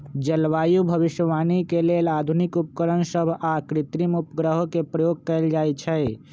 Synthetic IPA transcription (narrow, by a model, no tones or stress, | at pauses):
d͡ʒəlʋaːjubʱəbiʃəʋaːnikelelad̪ʱunikup̚kəɾənsəbʱakɾit̪ɾimupɡɾəɦokepɾəjoɡ̚kəɪld͡ʒajt͡ʃʰɛ